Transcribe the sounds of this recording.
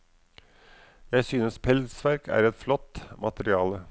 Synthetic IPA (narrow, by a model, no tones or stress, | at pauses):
jæɪsyːnəspʰɛlsʋæɾkʰæ̰ːɾɛt̪flɔt̪ːmʔɑt̪əɾɪɑːlə